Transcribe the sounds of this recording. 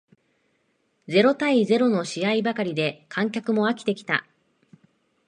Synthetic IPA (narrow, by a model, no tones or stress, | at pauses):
d͡ze̞ɾo̞t̪aize̞ɾo̞no̞ɕiaibakaɾʲid̪e̞kʰãŋkʲakɯ̟mo̞akʲi̥t̪e̞kʲi̥t̪a̰